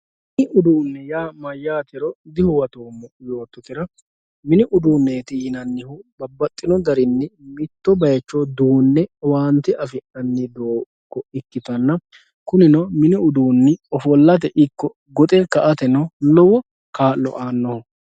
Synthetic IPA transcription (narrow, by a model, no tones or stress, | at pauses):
mɪɪʊd̪uːnːɛjaːmɐjːaːt̪ɪɾɔd̪ɪhʊwɐt̪oːmːɔjo̞ːt̪ːɔkɪɾɐ | mɪnɪʔʊd̪uːnːeːt̪iɪnɐnːɪhʊbɐbːɐt̪ʼːɪnɔd̪ɐɾɪnːɪmɪt̪ːɔbɐjɐt͡ʃːɔd̪uːnːɛwaːnt̪ɪʔɐfɪʔɐnːɪd̪oː | kːɔɪkːɪt̪ɐnːɐ | kʊnɪnɔmɪnɪʊd̪uːnːɪɔfɔlːɐt̪̬ɛʔɪkːɔ | ɡɔt̪ʼɛkɐʔɐt̪ɛnɐnɔwɔ | kaːlːɔ̰ʔaːnːɔ